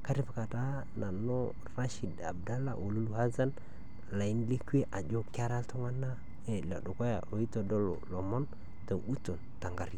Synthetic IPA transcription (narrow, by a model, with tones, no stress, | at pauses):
ka˦ɾi˦pa˨ka˨ta˦ | na˨no˦ | ɾa˦ʃi˨da̰˨bda˦la̰˦wo˨lu˦lu˦˨ha˦za˦n | la˨i˦nle˦ke˦ʔa˨d͡ʒo˦ka˦ɾa˦lto˦ŋa˦na˦ | e˨la̰˨do˨ko˦ja̰˨o˨i˦to˨do˦lo̰˨lo˨mo˦n | ta˨u˦to˨n | ta˨ŋɡa˨ɾi˦˨